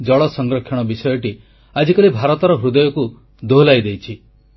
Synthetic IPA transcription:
d͡ʒɔɭɔsɔŋɡɾɔkʰːjɔɽ̃ɔbisɔjɔʈi | ad͡ʒikɔlibʱaɾɔt̪ɔɾɔɦɾud̪ɔjɔku | d̪olajd̪ejt͡ʃʰi

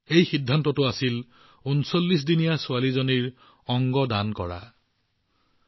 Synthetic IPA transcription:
ejxidʱːantɔtʊasil | unsolːis̬dinijasʊalizoniɹ | ɔŋɡɔdankɔ̰ɹa̰

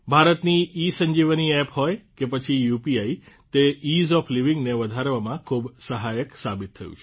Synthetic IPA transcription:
bʱaɾət̪niːsəɲd͡ʒiʋniɛpɦɔjkepət͡ʃʰijupiai | t̪eizɔfliʋɪŋɡneʋəd̪ʱaɾʋamãkʰubsəɦajəksabit̪ʰːəjṵ̃t͡ʃʰe

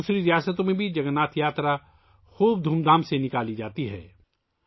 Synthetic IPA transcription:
uːsɾiɾɪjaːsət̪õmẽbʱid͡ʒɐɡənaːt̪ʰjaːt̪ɾa | xuːb̚d̪ʱuːmd̪aːmsenɪkaːlid͡ʒaːt̪iɦɛ̰ː

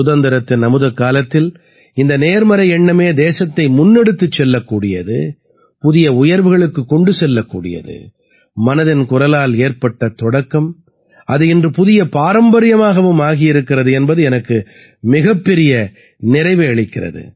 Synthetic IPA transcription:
ʊðɐnd̪ɪɾɐt̪ːɪnnɐmɯðɐkːaːlɐt̪ːɪl | ɪnd̪ɐneːɾmɐɾɐjɛɳːɐmeːd̪eːsɐt̪ːɐɪmʊnːɛɽɯt̪ːɯt͡ʃːɛlːɐkːuːɽɪjɐ̰ðɯ̰ | pʊðɪjɐʊjɐɾʋɯɣɐɭɯkːɯkːɔɳɖɯsɛlːɐkːuːɽɪ̰jɐ̰ðɯ̰ | mɐnɐðɪnkʊrɐlaːleːɾpɐʈːɐt̪ɔɽɐkːɐm | ɐðɯɪndrɯpʊðɪjɐpaːɾɐmbɐɾɪjɐmaːɣɐʋɯmaːɣɪjɪɾɯkːɪrɐðɯɛnbɐðɯɛnɐkːɯ | mɪɣɐpːɛɾɪjɐ | nɪɾɐɪʋɯɐɭɪkːɪrɐ̰ðɯ̰

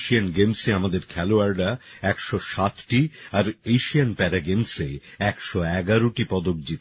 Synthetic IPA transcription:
ʃianɡemseamad̪eɾkʰɛloaɾɖaɛkʃɔʃat̪ʈiaɾejʃianpɛɾaɡemseɛkʃɔɛɡaɾoʈipɔd̪ok̚d͡ʑit̪

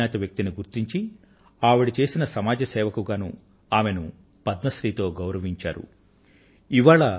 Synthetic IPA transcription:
aːɐt̪ɐʋjɐk̚t̪iniɡuɾt̪iɲt͡ʃi | aːʋuɽit͡ʃe̞ːsinɐsɐmaːd͡ʒɐsɛːʋɐkuɡaːnu | aːme̞nu | pɐd̪̚mɐʃɾiːt̪o̞ːɡɐwɾɐʋiɲt͡ʃa̰ːɾṵ | iʋaːɭɐ

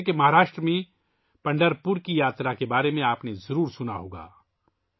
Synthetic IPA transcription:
kemɐɦaːɾaːʃʈɾəmẽ | pɐ̃ɳɖəɾpʊɾkijaːt̪ɾakebaːɾemẽaːpnezɐɾuːɾsʊnaɦo̰ːɡa̰ː

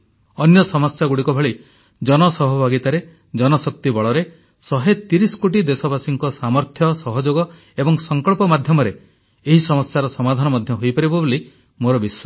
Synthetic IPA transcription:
ɔnjɔsɔmɔsjaɡuɽikɔbʱɔɭi | d͡ʒɔnɔsɔɦɔbʱaɡit̪aɾe | d͡ʒɔnɔsɔkt̪ibɔɭɔɾe | sɔɦet̪iɾisɔ̥koʈid̪esɔbasiŋkɔsamɔɾt̪ʰjɔsɔɦɔd͡ʒoɡɔ | ebɔŋsɔŋkɔɭpɔmad̪ʱjɔmɔɾe | eɦisɔmɔsjaɾɔsɔmad̪ʱanɔmɔd̪ʱjɔɦojpaɾibɔbuli | moɾɔbiswɔ

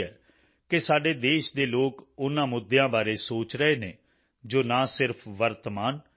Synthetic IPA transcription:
ɦɛː | kɪsaːɖeːd̪eːʃd̪eːloːkʊnãːmʊd̪ːjãːbaːɾeːsoːt͡ʃɾəeːnẽː | d͡ʒoːnãːsɪɾpʰʋəɾt̪əmaːn

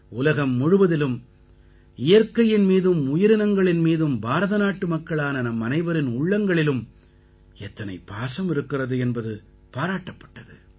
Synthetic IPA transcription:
ʊlɐɣɐmːʊɻɯʋɐðɪlɯm | ɪjɐɾkɐjɪnmiːðɯmʊjɪɾɪnɐŋɡɐɭɪnmiːðɯmbaːɾɐðɐnaːʈːɯmɐkːɐɭaːnɐnɐmːɐnɐɪʋɐɾɪnʊɭːɐŋɡɐɭɪlɯm | ɛt̪ːɐnɐ̰ɪpːaːsɐmɪɾɯkːɪrɐðɯɛnbɐðɯ | paːɾaːʈːɐpːɐ̥ʈːɐðɯ̰

